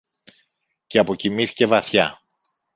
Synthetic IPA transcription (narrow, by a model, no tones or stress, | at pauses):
ce̞ɐpo̞cimiθi̥ce̞vɐθçɐ